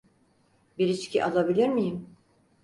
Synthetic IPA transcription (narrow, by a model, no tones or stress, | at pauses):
biɾit͡ʃcʰiʔalˠabilʲiɾmijim